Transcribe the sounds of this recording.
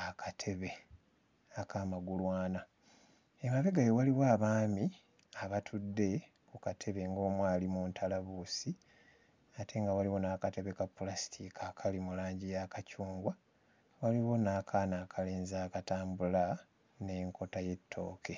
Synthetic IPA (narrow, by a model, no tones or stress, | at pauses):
akʰatʰe̞βe̞ | akʰamaɡulwaːna | emaβe̞ɡajowaliwaːβaːmi | aβatʰudːe̞ | kukatʰe̞βe̞ŋɡo̞ːmwaːlimuntʰalaβusi | ate̞ŋɡawaliwo̞naːkate̞βe̞kapːulasi̥tʰikʰakʰalimulaːɲɟijakacuːŋɡwa | waliwo̞naːkʰaːnaːkʰale̞ːnzaːkataːmbula | ne̞ŋko̞taje̞tːo̞̰ːkʰe̞